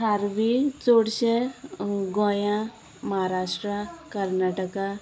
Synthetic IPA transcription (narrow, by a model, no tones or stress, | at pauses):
aːɾʋit͡soɽʃe | ɡõjã | mɐɦaɾaːʂʈɾakɐɾnaːʈəka